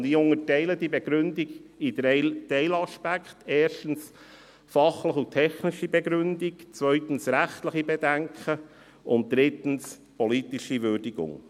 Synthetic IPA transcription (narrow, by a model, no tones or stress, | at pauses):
diːʊŋətɛɪlədibeɡ̥ɾʏndiɡidtɛɪlɑʃpækχtɛːʃtn̩s | fɑχləχutʰɛχniʃibɛɡɾʉndikt͡svœʏt̪n̩sɾæχtləχibɛdæŋkʰχə | ʊnt̚d̥̪ɾɪtən̩s | pɔlit̪iʃiʋʏːɾdiɡʊ̰ŋ